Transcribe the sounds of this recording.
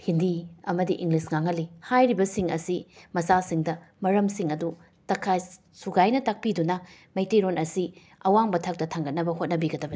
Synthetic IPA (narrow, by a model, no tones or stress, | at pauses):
hindiɐmɐdiʔiŋɡlisŋaŋɐlːihajɾibɐsiŋɐsimɐsasiŋdɐ | mɐɾɐmsiŋɐdu | tɐkʰːaj | suɡajnɐtak̚pidunɐ | mejteɾonɐsi | ɐwaŋbɐtʰak̚tɐtʰaŋɡɐt̚nɐbɐhot̚nɐbiɡɐdɐbɐni